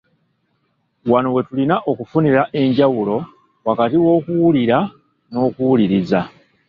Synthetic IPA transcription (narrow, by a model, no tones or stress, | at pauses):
wano̞we̞tulinaʔo̞kufuniɾaʔe̞ɲɟawulo̞ | wakatiwo̞ːkuwuliɾa | no̞ːkuwuliɾiza